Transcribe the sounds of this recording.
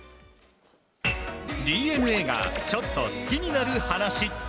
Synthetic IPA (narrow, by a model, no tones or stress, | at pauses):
ɾʲiːe̞nɯ̟e̞ːɡa̰t͡ɕo̞t̪ːo̞sɨ̥kʲiɲ̟inaɾɯ̟hanaɕi